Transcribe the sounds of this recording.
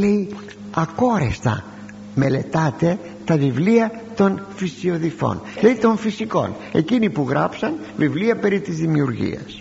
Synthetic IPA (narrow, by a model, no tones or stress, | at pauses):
le̞i | ɐko̞ɾest̪ɐ̰ | me̞le̞t̪ɐt̪e̞ | t̪ɐvivliɐ | t̪o̞nfisio̞ðifo̞̰nle̞it̪o̞ɱfisiko̞̰n | e̞̰cinipuɣɾɐpsɐn | vivliɐpe̞ɾit̪izðimiuɾʝḭɐ̰s